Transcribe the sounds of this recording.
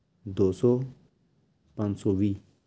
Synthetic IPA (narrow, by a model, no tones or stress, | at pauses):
d̪osɔ | pãnsowi